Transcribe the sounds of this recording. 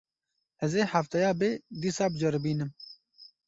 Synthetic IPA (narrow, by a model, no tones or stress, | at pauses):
ɛzeːhaft̪ɛjaːbeːd̪iːsaːbɨd͡ʒɐɾbiːnɨm